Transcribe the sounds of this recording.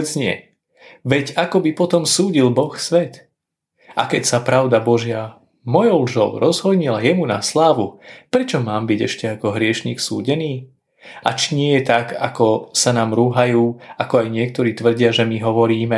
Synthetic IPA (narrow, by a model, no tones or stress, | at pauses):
zɲɪɛ̰ | ʋɛɟakɔbipɔt̪ɔmsuːɟilbɔxsʋɛt̪ | ʔa̰kɛcsapɾaʊd̪abɔʒɪa | mɔjɔʊlʒɔʊɾɔzɦɔd̪ɲilajɛmuna̰slaːʋupɾɛt͡ʃɔmaːmbiɟɛ̰ʃcɛakɔɦɾɪɛʃɲḭːksṵːɟɛniː | a̰t͡ʃiɲɪɛjɛt̪aka̰kɔsanaːmɾuːɦajuːakɔajɲɪɛk̚t̪ɔɾiːt̪ʋr̩ɟɪaʒɛmiɦɔʋɔɾiːmɛ